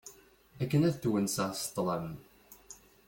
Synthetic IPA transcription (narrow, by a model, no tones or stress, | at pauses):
ækːənæðθwənsəʁst̪ˤːləm